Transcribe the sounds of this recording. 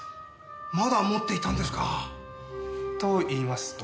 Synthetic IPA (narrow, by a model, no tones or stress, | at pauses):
mad̪amo̞t̪ːe̞it̪ãnd̪e̞sɨ̥ka | t̪oiːmasɨ̥t̪